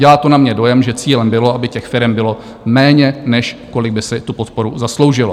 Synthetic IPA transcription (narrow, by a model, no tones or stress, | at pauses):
ɛlaːt̪onamɲɛdo̞jɛmʒɛt͡siːlɛmbɪloabɪcɛxfɪɾɛmbɪlo̞ | mɛːɲɛnɛʃko̞lɪɡ̚bɪsɪt̪upot̪̚po̞ɾuzaslo̞wʒɪlo